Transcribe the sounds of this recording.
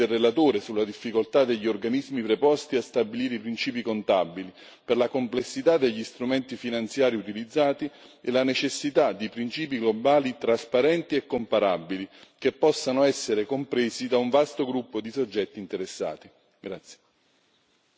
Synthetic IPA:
elrːelat̪oːɾesulːad̪ifːikolt̪ad̪eʎːiorɡanizmipɾepɔst̪iast̪abiliːɾeipɾint͡ʃiːpikont̪abːili | perlakomplesːit̪ad̪ːeʎːist̪ɾumɛnt̪ifinant̪sjaːɾiut̪ilid̪zːaːt̪ielanet͡ʃesːit̪ad̪ːipɾint͡ʃiːp̬iɡlobaːlit̪ɾaspaɾɛnt̪iɛkːompaɾabːilik̟epːɔsːanoɛsːeɾekompɾeːzid̪auɱvast̪oɡɾupːod̪isod͡ʒːɛt̪ːiːnt̪eɾesːa̰ːt̪i | ɡɾat̪sːje̥

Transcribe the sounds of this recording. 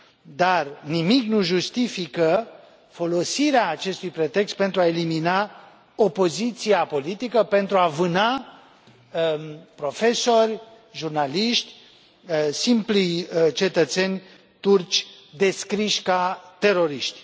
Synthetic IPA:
d̪arnimiknuʒust̪ifikə | fo̞lo̞siɾeaːt͡ʃe̞st̪ujpɾe̞t̪e̞kst̪̚pe̞nt̪ɾuaelimina | o̞po̞zit̪siapo̞lit̪ikəpe̞nt̪ɾuavɨna | pɾo̞fe̞so̞rʲ | ʒurnaliʃt̪ʲ | simplit͡ʃe̞t̪ət̪senʲ | t̪urt͡ʃʲ | d̪e̞skɾiʃʲkat̪e̞ɾo̞ɾiʃt̪ʲ

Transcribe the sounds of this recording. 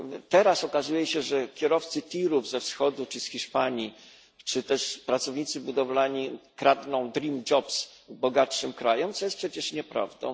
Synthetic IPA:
t̪ɛɾasɔkazujɛɕɛʐɛkʲjɛɾɔft̪sɘt̪ʲiɾuvzɛfsxɔd̪ut͡ʂɘsxʲiʂpaɲi | t͡ʂɘt̪ɛʂpɾat̪sɔvɲit̪sɘbud̪ɔvlaɲikɾad̪nɔ̃w̃d̪ɾʲimd͡ʒɔps | bɔɡatʂɘmkɾajɔmt̪sɔjɛst̪pʂɛt͡ɕɛʂɲɛpɾa̰vd̪ɔ̰̃w̃

